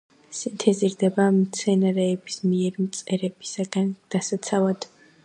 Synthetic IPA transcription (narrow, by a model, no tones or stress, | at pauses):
sint̪ʰɛziɾd̪ɛbamt̪sʰɛnaɾɛːbismiɛɾmt̪sʼɛɾɛb̥i̥saɡand̪̥asat̪sʰavad̪̥